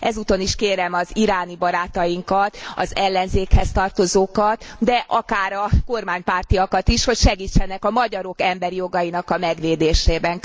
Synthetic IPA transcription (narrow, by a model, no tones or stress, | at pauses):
ʔɛzuːt̪o̞niʃkeːɾɛmɒziɾaːnibɒɾaːt̪ɒjiŋkɒt̪ɒ̰zɛlːɛnzeːkhɛst̪ɒrt̪o̞zoːkɒt̪d̪ɛʔɒkaːɾɒko̞rmaːɲpaːrt̪ijɒkɒt̪iʃho̞cʃɛɡiːt͡ʃːɛnɛkɒmɒɟɒɾo̞kɛmbɛɾijo̞ɡɒjinɒkɒmɛɡʋeːd̪eːʃeːbɛŋ